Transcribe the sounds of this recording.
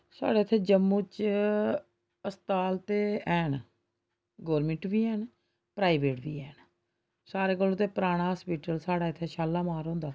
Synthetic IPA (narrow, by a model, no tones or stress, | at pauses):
sa̰ːɽeːɪt̪ʰːeːd͡ʒəmːũːt͡ʃ | əst̪aːlt̪eːɛːn | ɡɔːɾmɪɳʈbiːɛːn | pɾaːiːʋeːʈbḭːɛːn | saːɾeːkəlot̪eːpɾaːɽ̃aːspiːʈəlsaːɽaːɪt̪ʰːeːʃaːlːaːmaːɾɦõːnd̪aː